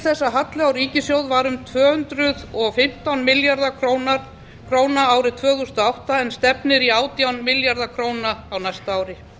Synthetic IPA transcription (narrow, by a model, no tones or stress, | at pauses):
θɛsːaɦat̪lɪawɾiːcɪsjoːwðvaɾʏmt̪ʰvœːhʏnt̪ɾʏðɔɣfɪm̥t̪awnmɪljaɾðakʰɾowna | kʰɾoːwnaaːwɾɪt̪ʰvœːɣʏst̪ɔawht̪aɛnst̪ɛpnɪɾiaːwt̪jawnmɪljaɾðakʰɾoːwnaːwnajst̪aːwɾɪ